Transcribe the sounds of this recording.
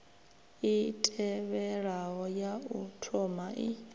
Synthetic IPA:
itʼɛβɛɺaɦɔjautʰɔmaʔi

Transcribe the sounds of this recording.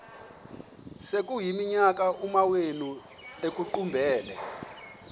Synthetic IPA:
sek̬ʼujimiɲak̬aʔumawenu | ek̬ʼuǃumbʱɛːlɛ̰

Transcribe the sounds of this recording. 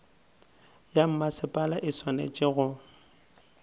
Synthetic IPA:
jam̩masɪpʼalaʔɪswanḛt͡ʃʼɪɣʊ

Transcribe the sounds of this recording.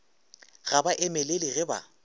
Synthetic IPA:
ɣabaʔɪmɛleliɣɛba̰

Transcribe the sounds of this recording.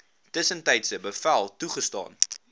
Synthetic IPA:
təsəntɛjtsəbəfælˠtuχəstɑ̰ːn

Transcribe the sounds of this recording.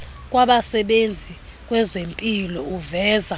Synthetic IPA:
k̬ʼwaɓasɛɓend͡zʱi | k̬ʼwɛzempʼilɔuvɛːza

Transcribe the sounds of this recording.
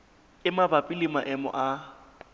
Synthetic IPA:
ɪmabapʼilimaʔɛmɔ̰ʔa

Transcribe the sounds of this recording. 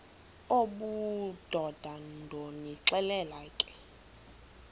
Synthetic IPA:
oɓud̥ʱɔd̥ʱandʱoniǁɛlɛlakʼɛ̥

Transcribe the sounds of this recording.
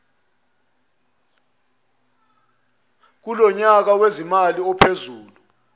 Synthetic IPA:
k̬ulɔɲak̬awezimaliɔpʰezuːlu

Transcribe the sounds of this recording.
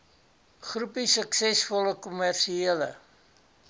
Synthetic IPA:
χrupisəksɛsfɔləkumærʃiiələ̰

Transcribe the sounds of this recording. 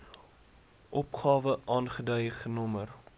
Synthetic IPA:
ʔɔpχɑːvəʔɑːnχədœjχənɔmər

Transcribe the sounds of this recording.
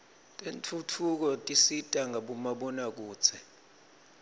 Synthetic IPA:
tʼent͡fʰutʰuk̬ɔtʼisitʼaŋʱaɓumaɓɔnak̬uːt͡sʰɛ

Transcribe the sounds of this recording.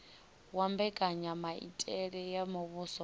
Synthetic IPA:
wambɛkʼaɲamaḭtʼɛɺɛjamʊβusɔ

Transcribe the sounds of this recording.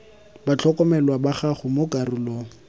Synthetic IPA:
bat͡ɬʰɔkʼɔmɛlwabaχaχʊmokʼarʊlɔ

